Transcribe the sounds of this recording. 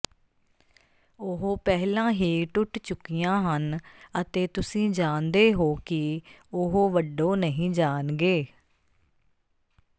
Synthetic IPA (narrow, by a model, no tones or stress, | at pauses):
ʊɦoːpɛɦlãːɦiːʈʊʈt͡ʃʊkːijãːɦənət̪eːt̪ʊsĩːd͡ʒaːnd̪eːɦoːkɪʊɦoːʋəɖːoːnəɦĩːd͡ʒaːnɡeː